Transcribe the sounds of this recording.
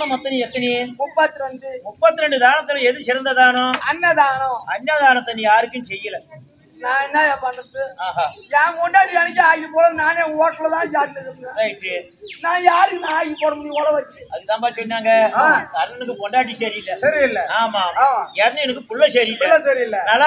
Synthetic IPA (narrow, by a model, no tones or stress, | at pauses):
nɐmɐt̪ːɐniɛt̪ːɐnimʊpːɐt̪ːɯɾɛɳɖɯmʊpːɐt̪ːɯɾɛɳɖɯd̪aːnɐt̪ːɯlɐɛðɯt͡ʃɪɾɐnd̪ɐðaːnʊ̃ɐnːɐd̪aːnɐ̃ɐnːɐd̪aːnɐt̪ːɐnːĩjaːɾɯkːɯnsɛjːɐlɐ | nãːɛnːɐjaːpɐnɯɾðɯaːɦaːjaːkɔɳɖaːʈːiɐnɪkːɐaːjipːoːlɐnaːneːoːʈːɐlɐt̪ãːjaːɾnɐðɯɡɐ̃lɐʈi | nãːjaːɾɯkːnaaːjipoːɽɐmɐɽipoːlɐʋɐt͡ʃːɯɐðɯkːt̪ãːpaːɪsɔnːaːŋɡɐaːt̪aɾɐnɛnɐkːɯkɔɳɖaːʈ̬ːiseɾɪɪlːɐsɐɾiɪlːɐaːmaːaːmaɛɾnːɐɛnɐk̬ːɯkʊɭːɐseːɾilɐːɐsɐɾiɪlːɐnɐlːa